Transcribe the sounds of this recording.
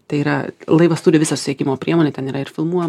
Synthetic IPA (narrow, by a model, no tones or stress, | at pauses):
t̪ɐɪiːɾɐlˠɐɪʋɐst̪uːdʲɪʋʲɪsɐsʊsʲt̪ʲekʲɪmoːpʲɾʲiɛmoːnʲeːt̪ʲɛniːɾɐɪɾfʲɪlˠmuɔj